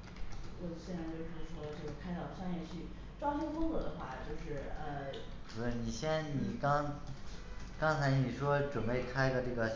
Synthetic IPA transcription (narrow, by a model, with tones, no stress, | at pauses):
wɔ˨˩ɕɛ˥˩na˥˩ɪt͡ɕo˥˧ʊʂ̩˥˩˥ʂwɔ˥lʈ͡ʂɤ˥˧ʊɡkʰa˥ɪt̪ɑ˥˩ʊʂa˥njɛ˥˧t͡ɕʰy˥˩ | ʈ͡ʂwɑ˥ɕə˥ŋfʊ˥ŋt͡sɤ˧˥d̪ə˧xwa˥˩t͡ɕjo˥˧ʊʂɻ̩˥˩ə˧˩ | ni˨˩ɕjɛ˥nni˨˩kɑ˥ŋ | kɑ˥ŋt͡sʰa˧˥ɪni˨˩ʂwɔ˥ʈ͡ʂwə˨˩npe˥˩ɪkʰa˥ɪɡə˨ʈ͡ʂɤ˥˩ɡə˩